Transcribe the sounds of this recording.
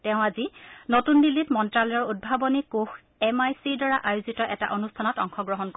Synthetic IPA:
teʊ̃azinotunːilːitmɔntɹaljɔɹud̚bʱabɔnikux | ɛmajsidɔɹaʔajuzitɔʔɛta̰ʔonustʰanɔtɔŋxɔɡɹɔɦɔnkɔ

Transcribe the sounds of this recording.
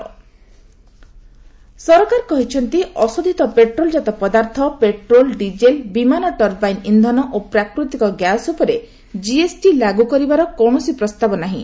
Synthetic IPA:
sɔɾɔkaɾkɔɦit͡ʃʰɔnt̪iɔsod̪ʱit̪ɔpeʈɾold͡ʒat̪ɔpɔd̪aɾt̪ʰɔpeʈɾolɖid͡ʒelbimanɔʈɔɾbajnind̪ʱɔnɔʔopɾakɾut̪ikɔɡjasupɔɾe | d͡ʒiesʈilaɡukɔɾibaɾɔkowɳ̃ɔsipɾɔst̪abɔnaɦḭ̃

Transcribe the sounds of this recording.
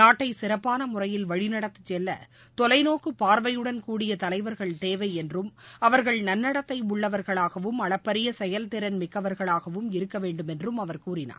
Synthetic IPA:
naːʈːɐɪsɪɾɐpːaːnɐmʊrɐjɪlʋɐɻɪnɐɽɐt̪ːɯ̥t͡ʃːɛlːɐ̰ | t̪ɔlɐɪnoːkːɯpːaːɾʋɐjɯɽɐnkuːɽɪjɐt̪ɐlɐɪʋɐɾɣɐɭt̪eːʋɐɪɛndrɯmɐʋɐɾɣɐɭnɐnːɐɽɐt̪ːɐɪʊɭːɐʋɐɾɣɐɭaːɣɐʋɯmɐɭɐpːɐɾɪjɐsɛjɐlt̪ɪɾɐnmɪkːɐʋɐɾɣɐɭaːɣɐʋɯmɪɾɯkːɐʋeːɳɖɯmɛndrɯmɐʋɐɾkuːɾɪna̰ː

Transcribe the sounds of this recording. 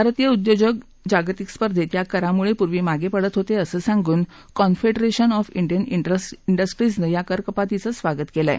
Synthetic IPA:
bʱaɾt̪ijəud̪jod͡ʑəɡ | d͡ʑaɡt̪ikspəɾd̪ʱet̪jakəɾamuɭepuɾʋiːmaɡepəɽət̪ɦot̪eəsəsãŋɡuːn | kɔnfeɖəɾeɕənɔfiɳɖijəniəsiɳɖəsʈɾisnəjakəɾkəpat̪it͡səsʋaɡət̪kelae

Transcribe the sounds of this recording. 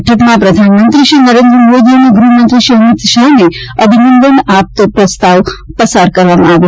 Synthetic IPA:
ʈʰəʈmapɾəd̪ʱanmənt̪ɾiʃinəɾend̪ɾəmod̪ianeɡɾumənt̪ɾiʃiɦəmit̪ʃaɦneəbʱinənd̪ənap̚t̪əpɾəst̪aʋpəsaɾkəɾʋamaʋ

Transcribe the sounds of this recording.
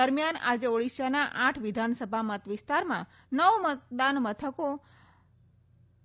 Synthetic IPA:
əɾmijana̰d͡ʒeoɽisənaʔãʈʰʋɪd̪ʱansəbʱamət̪ʋɪst̪aɾmã̰ | nəʋmət̪̚d̪anmət̪ʰəko

